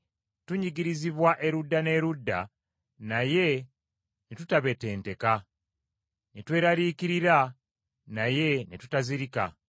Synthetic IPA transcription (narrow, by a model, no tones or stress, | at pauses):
tuɲiɡiɾiziβwaʔe̞ɾudːane̞ːɾudːa | naje̞ | netutaβe̞te̞ːnte̞ka | netwe̞ːɾaɾiːkiɾiɾa | naje̞nitutaziɾika̰